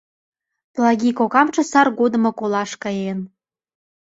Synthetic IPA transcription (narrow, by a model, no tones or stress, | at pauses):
plˠɑɡʲikokɑmt͡ʃɤ̆sɑrɡod̪ə̆mŏkolɑʃkɑjen